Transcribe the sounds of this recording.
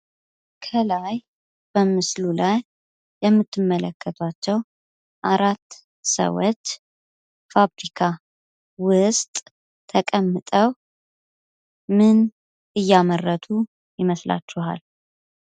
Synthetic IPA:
kʰəlaj | b̥əmɨslulajː | ɛmːɨt̪ːɨmːələkʰːət̪ʰat͡ʃːɛw | ʔaɾat̪ː | sə̰wɔt͡ʃː | faβɾikʰa | wʊst̪ʼ | t̪ʰːəkʼəmːɨt̪ʼəw | mɨn | ʔɨjːamərːət̪ʰu | jɪməsla̰t͡ʃːuha̰l

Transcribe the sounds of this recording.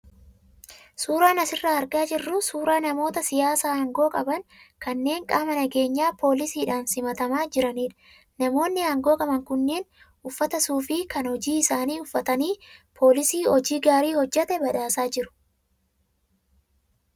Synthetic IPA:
suːɾaːnɐsɪrːaɐɾɡaːd͡ʒɪrːʊsuːɾaːnɐmo̞ːt̪ɐsɪjaːsaːɐːŋɡo̞ːkʼɐbɐŋkɐnːe̞ːŋkʼaːmɐnɐɡe̞ːɲːaːpʰo̞ːlɪsiːᶑaːnsɪmɐt̪ɐmaːd͡ʒɪɾɐniːᶑɐ̥ | nɐmo̞ːnːɪaːŋɡo̞ːkʼɐbɐŋkʊnːe̞ːn | ʔʊfːɐt̪ɐsuːfɪkɐnhɔd͡ʒiːɪsaːniːʊfːɐt̪ɐniːpʰo̞ːlɪsiːhɔd͡ʒiːɡaːɾiːhɔd͡ʒːɛt̪ɛbɐᶑaːsaːd͡ʒɪɾʊ̥

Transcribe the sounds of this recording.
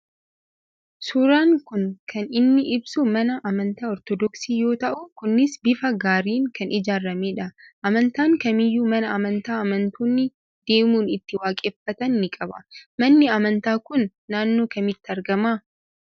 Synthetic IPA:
sʊɾaːŋkʊŋkʰɐnɪnːɪʔɪbsumɐnɐʔɐmɐnt̪aːɔɾt̪ɔd̪ɔksiːjo̞ːt̪ɐʔʊkʊnːɪsbɪfɐɡaːɾiːŋkɐnʔɪd͡ʒaːɾːɐmeːᶑɐʔɐmɐnt̪aːŋkɐmɪjːuːmɐnɐɐmɐnt̪aːɐmɐnt̪uːnːɪ | d̪̥e̞ːmuːnɪt̪ːɪwaːkʼeːfːɐt̪ɐnːɪkʼɐbɐ̰mɐnːɪɐmɐnt̪aːkʊnː | aːnːo̞ːkɐmɪt̪ːɪɐɾɡɐmaː

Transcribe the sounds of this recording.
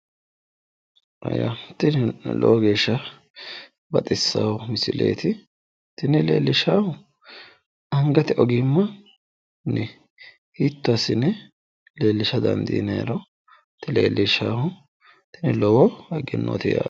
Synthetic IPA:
ʔɐ̰ja̰t̪ːɪnlɔ̰wɔɡe̞ːʃːɐ | bɐt̪ʼɪsːɐ̰wmɪsɪlḛːt̪ɪ | t̪ɪnɛlḛːlːɪʃaːhʊ | ɐŋɡɐt̪ɪʔɔɡɪmːɐ | nɛ | hiːt̪ːʊɐsɪnɛ | le̞ːlːɪʃɐd̪ɐ̰nd̪ḭːnɐ̰ɾɔ | t̪ːɪlḛːlːɪʃaːhʊ | t̪ɪnɛlɔwɔɐɡɪnːo̰ːt̪ɪja̰

